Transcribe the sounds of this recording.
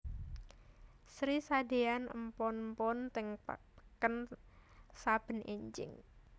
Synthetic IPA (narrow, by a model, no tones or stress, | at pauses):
sɾisade̤anə̰mpɔnmpɔnt̪ɪŋpə̰ | kən | sab̥ə̤nḛɲd͡ʒɪ̰ŋ